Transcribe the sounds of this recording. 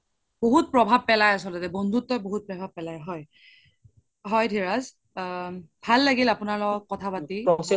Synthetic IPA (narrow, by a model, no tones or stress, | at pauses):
boɦut̚pɹɔbʱab̚pɛlajasɔltɔtɛbɔndʱutːɔjboɦut̚pɹɔbʱab̚pɛlajɦɔj | ɦɔjdʰʱiɹaz | bʱalːaɡilapʊnaɹlɔɡɔk̚kɔtʰapati